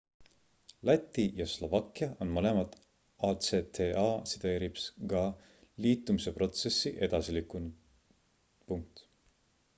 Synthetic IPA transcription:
læt̪ːˑijɑslo̞vɑkːˑiɑʔo̞nmole̞mɑt̪ | ɑt̪set̪ʰeɑːsit̪e̞ːɾipskɑ | liːt̪ːˑumise̞pro̞t̪se̞sːiʔe̞d̪̥ɑsilikunu | puŋk̚t̪

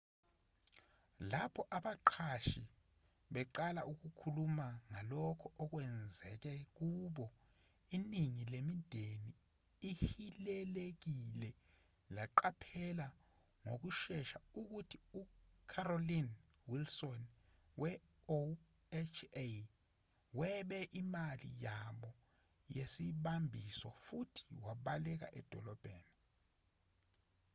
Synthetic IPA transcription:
lapʰɔʔaɓaǃʰaʃi | ɓɛǃalaʔuk̬ukʰulumaŋalɔkʰɔʔɔk̬wɛnd͡zʱɛ̰k̬ɛk̬uɓɔ | iniŋilemindʱeniː | hilɛlek̬ilɛ | laǃapʰɛla | ŋok̬uʃɛʃauk̬utʰiukʰarolin | wilsɔn | wʔɛ | o | ɛt͡ʃʰe | wɛɓɛʔimalḭjaɓɔ | jesiɓambʱisɔfutʰi̥waɓalɛk̬a̰ʔɛ̰d̥ʱɔlɔb̥ʱeːni

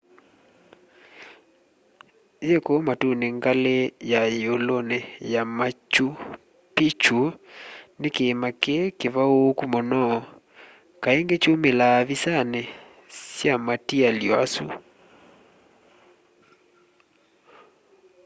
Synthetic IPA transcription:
jekomatuneŋɡalejajolonɛjamat͡ʃu | pit͡ʃunekeːmakekeβaokumɔnɔ | kaeŋɡet͡ʃomelaβisanɛ | sjamatialjɔa̰su

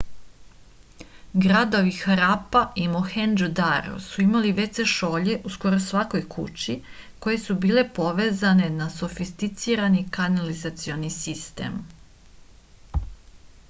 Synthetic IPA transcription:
ɡɾad̪o̞ʋixaɾapaʔimoxend͡ʒod̪aɾo̰suimaliʋe̞se̞ʃo̞ːʎe̞ʔusko̞ɾosʋako̞jkʰṵt͡ɕi | ko̞je̞subiːle̞po̞ʋeːzane̞naso̞fist̪it̪siːɾanikanalizat̪sio̞nisist̪ḛːm

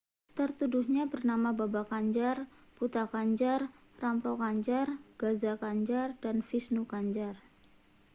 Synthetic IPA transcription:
t̪ərt̪uduhɲabərnamababakaɲd͡ʒarput̪akaɲd͡ʒar | rampɾokaɲd͡ʒarɡ̥azakaɲd͡ʒardanfisnukaɲd͡ʒar

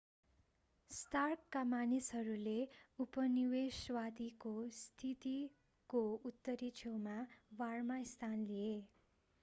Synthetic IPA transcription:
sʈarkːamanisɦʌɾuleupʌniweswad̪ikost̪ʰit̪i | kout̪ːʌɾit͡ʃʰewmawarmaist̪ʰanlije

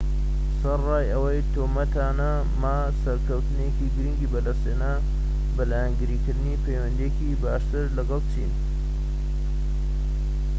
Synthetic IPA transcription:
sɐrɑːjɐwɐjt̪ʰoːmɐt̪aːnɐ | maː | sɐɾkʰɐwt̪ɨnjekiɡɨɾiŋɡiːbɐd̪ɐst̪eːnɐ | bɐlaːjanɡɨɾiːkɨɾd̪ɨniːpʰejwɐnd̪iekibaːʃt̪ɨɾlɐɡɐlˠt͡ʃʰḭːn

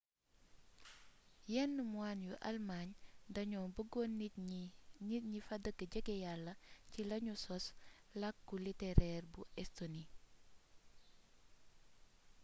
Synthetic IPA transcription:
jɛnːəmwanjuʔɐ̰lmaɲdɐɲɔːnbəɡoni | ɲifɐdəɡɐɟəɡɛjalːɐcilɐɲusɔslɐkːulitɛɾɛrbuɛstoni

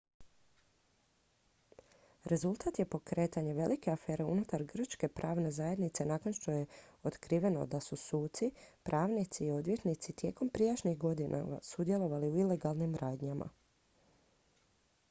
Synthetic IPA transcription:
ɾe̞zulˠt̪at̪je̞po̞kɾe̞ːt̪aɲe̞ʋe̞like̞afe̞ːɾe̞ṵnut̪aɾɡr̩ʃke̞pɾaːʋne̞zajed̪nit̪se̞naːko̞nʃt̪o̞je̞ot̪kɾiːʋe̞no̞̰d̪asusuːt̪sipɾʔaːʋnit̪siːo̞d̪ʋje̞t̪nit̪sit̪je̞ːko̞mpɾijaʃnixɡo̞d̪inʔa̰a̰sud̪je̞lˠo̞ʋaliuile̞ɡalˠnimɾaːd̪ɲama̰

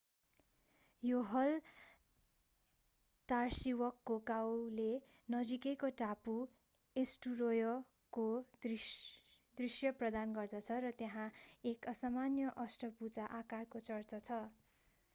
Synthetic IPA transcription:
joɦʌl | t̪arsiwʌkːokawle | nʌd͡zikekoʈapu | esʈurojʌ | kod̪ri | d̪risjʌprʌd̪anɡʌrd̪ʌt͡sʰʌrʌt̪jaɦãekʌsamanjʌʔʌsʈʌbut͡saʔakarkot͡sʌrt͡sʌt͡sʰʌ

